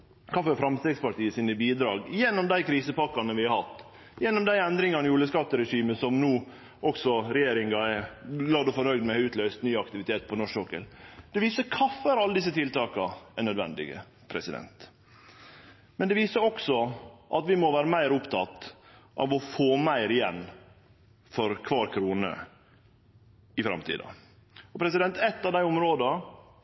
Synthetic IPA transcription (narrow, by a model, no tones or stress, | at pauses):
kʰɑfəɾfɾɑmst̪eːɡspɑʈiːəsinəbiːd̪ɾɑːɡjɛnːɔmd̪æɪkʰɾiːsəpɑkːɑnəʋɪhɑɾhɑt̪ː | jɛnːɔmd̪æɪɛnd̪ɾɪŋɑnɪjuːləskɑt̪ːəɾɛʂiːməsɔmnuː | ʔɔksɔɾɛjeːɾɪŋɡɑɛɡlɑːd̪ɔfɔnœʏɡd̪mɛhɑʉːt̪lœʏst̪nyːɑkt̪ɪʋɪt̪ʰeːt̪̚pʰɔnɔʂoːkə̰ld̪̥ɛʋiːsəkʰɑfəɾɑləd̪ɪsːət̪ʰɪlt̪ɑːkɑɛnœd̪ʋɛ̰nd̪ɪ̰ɡə̰ | pʰɾɛsɪd̪ɛ̰nt̪ | mɛnd̪ɛʋiːsəɾɔksɔʔɑt̪ʋɪmɔʋæːɾəmæɪɾʊpt̪ʰɑt̪ | ʔɑ̰ʋɔfoːmæɪɾɪjɛnː | fɔɾkʰʋɑːɾkʰɾuːnə̰ | ɪfɾɑ̰mt̪ʰḭːd̪ɑ̰ | ɔpʰɾɛs̬ɪd̪ɛnt̪ɛt̪ːɑʋd̪æɪʊmɾoːd̪ɑ